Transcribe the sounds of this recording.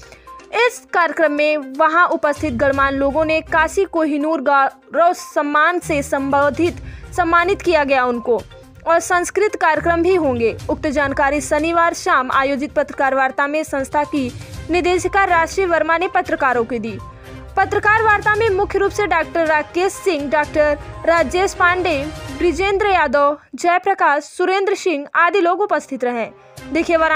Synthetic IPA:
ɪskaːɾjəkɾəmːẽʋɐɦãʔʊpəst̪ʰɪt̪̚ɡɐɽmaːnloːɡõnekaːsikoːɦinuːɾɡa | ɾɔːssɐmːaːnsesɐ̃mbəd̪ʱɪt̪sɐ̃mːaːnɪt̪kijaɡɐjaʊnko | ɔːɾsɐ̃nskɾɪt̪kaːɾjəkɾəmbʱiɦõːŋ̆ɡeːʊk̚t̪əd͡ʒaːnkaːɾisɐniʋaːɾʃaːma̰ːjoːd͡ʒɪt̪̚pɐt̪ɾəkaːɾʋaːɾt̪amẽsɐ̃ñst̪ʰakinɪd̪eːʃəkaɾɾaːʃʈɾiəʋɐɾmanepɐt̪ɾəkaːɾõkid̪iː | pɐt̪ɾəkaːɾʋaːɾt̪amẽmʊkʰjəɾuːpseɖaːk̚ʈəɾːaːkeːsːɪ̃ŋɡɖaːk̚ʈəɾːaːd͡ʒeːspãːɳɖeːbɾɪd͡ʒẽːnd̪ɾəjaːd̪əːʋd͡ʒɛːpɾɐkaːʃːʊɾẽːnd̪ɾəsɪ̃ŋɡaːd̪iloːɡʊpəst̪ʰɪt̪ɾɐɦɛ̃ː | d̪eːkʰeʋɐɾ

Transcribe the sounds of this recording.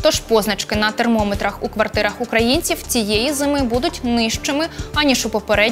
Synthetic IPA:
t̪ɔʃpɔznɐt͡ʃkɪnɐt̪ermɔmet̪ɾɐxukʋɐrt̪ɪɾɐxʊkɾɐjinʲt͡sʲiwt͡sʲijejizɪmɪbud̪ʊtʲnɪʃt͡ʃɪmɪɐnʲiʃʊpɔpeɾɛ

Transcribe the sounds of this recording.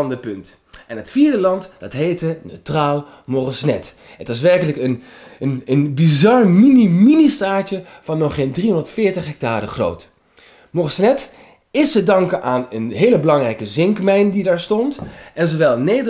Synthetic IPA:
ndəpɵnt | ɛnɦətfiːɹdəlɑntd̥ɑtɦejtənøɥtraːlˠ | mɔrəsnɛ̰t | ətʋɑs̬ʋɛrkələkən | ənənbizɑrminiministaːt͡ʃə | v̥ɑnːɔχɪndriɔndəɹtfɪːɹtəχɦɛk̚taːrəχro̰wt | mɔrsnɛt | ɪstədɑŋkənʔaːnənɦejləbəlɑŋrɛjkəzɪŋkmɛjndidaːɹstɔntɛnzoʋɛlˠnejdə

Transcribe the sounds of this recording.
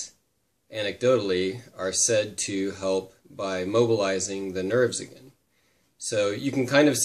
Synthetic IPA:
ʔænɨk̚d̥oʊɾl̩ˠiə˞sɛd̚tʰɨɦɛlˠp̚b̥aɪmoʊbəlaɪzɪ̃ŋðɨnɜ˞vzɨ̰ɡɛ̰̃n | soʊjɨkn̩kʰãɪ̃ndʌv̥s

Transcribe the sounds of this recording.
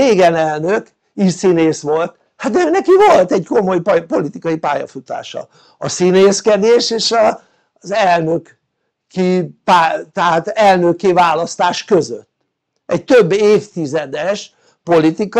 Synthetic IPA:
eːɡɛnɛlnøk | isineːsʋo̞lt̪ | hat̪̚d̪ɛøːnɛkivolt̪ɛɟko̞mo̞jppo̞lit̪ikɒjipaːjɒ̰fut̪a̰ːʃɒ̰ | ɒsineːskɛd̪eːʃeːʃɒ | zɛlnøk | kipat̪ɛɦaːt̪ɛlnøkeːvaːlɒst̪aːʃkø̞zø̰t̪ː | ɛɟt̪øbːeːft̪izɛd̪ɛʃ | po̞lit̪ik

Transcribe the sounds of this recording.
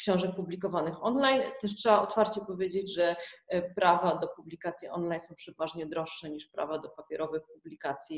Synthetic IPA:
kɕɔ̃w̃ʐɛk̚publʲikɔvanɘxɔnlajnt̪ɛʂ̬tʂɛaɔt̪faɾt͡ɕɛpɔvʲjed͡ʑed͡ʑʐɛpɾavad̪ɔpublʲikat̪sʲjiʔɔ̰nlajnsɔ̃w̃pʂɛvaʐɲɛd̪ɾɔʂːɛɲiʂpɾa̰vad̪ɔpapʲjɛɾʔɔvɘxpublʲikat̪sʲji

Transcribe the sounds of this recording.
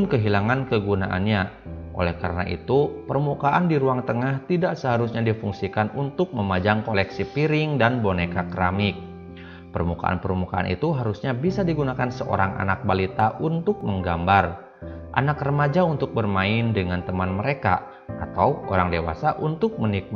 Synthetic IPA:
ʊnkəɦilaŋankəɡunaʔa̰nɲa | ʔo̰lɛhkaɾəna̰ʔḭt̪upərmukaʔandiɾuaŋt̪əŋaht̪idaʔsəɦaɾusɲadifuŋsikanunt̪ʊk̚məmad͡ʒaŋkolɛksipiɾɪŋdanbonekakɾamɪk̚ | pərmuka̰ʔa̰npərmukaʔa̰nʔḭt̪uɦaɾusɲabisadiɡunakansəʔo̰ɾaŋa̰nak̚balit̪aʔunt̪ʊk̚məŋɡambar | ʔa̰nakrəmad͡ʒaunt̪ʊk̚bərmaɪndəŋant̪əmanməɾeka̰ | at̪awʔo̰ɾaŋdewa̰saʔunt̪ʊk̚mənik̚

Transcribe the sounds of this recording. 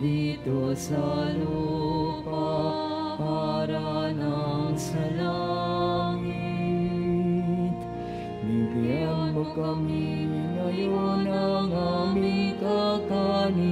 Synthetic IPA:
ɾit̪osaːɾopa | aːɾaːnasɐla | i | t̪ | niɡjɐmbukɐminɐjoːnɐŋamikaːkani

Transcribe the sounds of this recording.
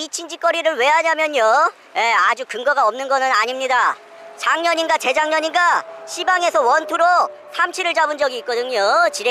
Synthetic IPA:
it͡ɕʰind͡ʑik͈ʌɾiɾɯɭwe̞ɦaɲamjʌɲo | je̞ad͡ʑukɯŋɡʌɡaʌmnɯnɡʌnɯnaɲimɲida | t͡ɕaŋɲʌɲinɡat͡ɕe̞d͡ʑaŋɲʌɲinɡaɕʰibaŋe̞sʰʌwʌntʰuɾo | sʰamt͡ɕʰiɾɯɭt͡ɕabɯnd͡ʑʌɡiːt̚k͈ʌdɯɲot͡ɕiɾe

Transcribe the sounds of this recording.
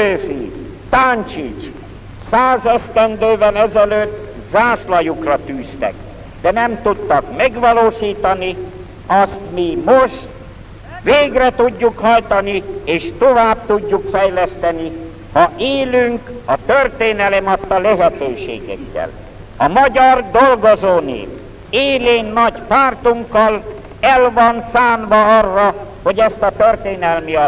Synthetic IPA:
øːfḭ | t̪aːnt͡ʃit͡ʃ | saːzɛst̪ɛnd̪øːvɛlɛzɛløːt̪ː | zaːslɒjukrɒt̪yːst̪ɛ̰k | d̪ɛnɛmt̪ut̪ːɒkmɛɡʋɒloːʃiːt̪ɒni | ɒst̪mimoʃt̪ | ʋeːɡrɛt̪uɟːukhɒjt̪ɒnieːʃt̪ovaːb̚t̪uɟːukfɛjlɛst̪ɛni | hɒʔeːlyŋkɒt̪ørt̪eːnɛlɛmɒt̪ːɒlɛɦɛt̪øːʃḛːɡɛ̰kːɛ̰l | ɒmɒɟɒrd̪olɡozoːnḛːk | eːleːnːɒɟpaːrt̪uŋkːɒl | ɛlvɒnsaːnvɒɒrːɒho̞ɟɛst̪ɒt̪ørt̪eːnɛlmiɒ

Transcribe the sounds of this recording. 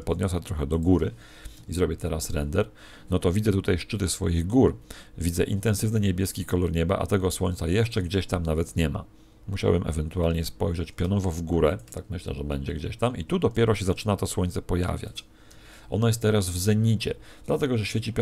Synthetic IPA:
pɔd̪ɲɔsɛt̪ɾɔxɛd̪ɔɡuɾɘ | izɾɔbʲjɛt̪ɛɾasɾɛnd̪ɛɾ | nɔt̪ɔvʲid̪zɛt̪ut̪ajʂt͡ʂɘt̪ɘsfɔ̰jiɣɡuɾvʲidzɛ̰ʔint̪ɛ̃nsɘvnɘɲɛbʲjɛskʲikɔlɔɾɲɛba̰ʔa̰t̪ɛɡɔswɔɲʲt̪sajɛʂt͡ʂɛɡd͡ʑeɕt̪amnavɛt̪ɲɛma̰ | muɕa̰wbɘmʔɛ̰vɛnt̪ualɲɛspɔjʐɛt͡ɕpʲjɔnɔvɔvɡuɾɛt̪akmɘɕlɛ̰ʐɛbɛɲd͡ʑɛɡd͡ʑeɕt̪amit̪ud̪ɔpʲjɛɾɔɕɛzat͡ʂɘnat̪ɔswɔɲʲt̪sɛpɔja̰vʲja̰t͡ɕ | ʔɔ̰najɛst̪ːɛɾazvzɛɲit͡ɕɛ̰ | d̪lat̪ɛɡɔʐɛɕfʲet͡ɕipʲ

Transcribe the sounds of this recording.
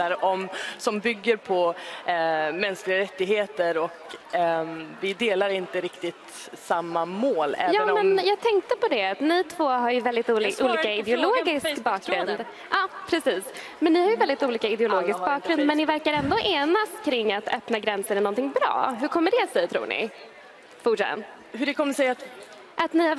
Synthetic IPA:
aɾɔmsɔmbʏɡːəɾpʰɔ | mɛnsklɪɡaɾɛt̪ːɪɡheːt̪əɾɔk | vɪd̪eːlaɾɪnt̪əɾɪkt̪ɪt̪ | samːamoːlɛːvjɑːmɛnjɑːɡ̚t̪ʰɛŋk̚t̪əpɔd̪ɛat̪nɪt̪ʰvoːɦaɾjɵvɛld̪ɪt̪uːʔuːliːkaɪd̪ɛʊloːɡɪskkbɑːkɡɾɵnd̪ | ʔɑːpʰɾɛsiːs | mɛnːɪhaɾjɵvɛld̪ɪt̪uːliːkaɪd̪ɛʊloːɡɪsk̚bɑːkːɾɵnd̪mɛnːɪvæɾkaɾɛnd̪ɔʔeːnaskʰɾɪŋːat̪œpnaɡɾɛnsəɾɛnɔnt̪ʰɪŋbɾɑ̰ːɦɵɾkʰɔmːəɖɛat̪sɛjt̪ʰɾṵːɳɪ̰ | fʊʂɛt̪ːə̰n | hɵɖɛkʰɔmːəʂɛjat̪ | ʔat̪nɪha

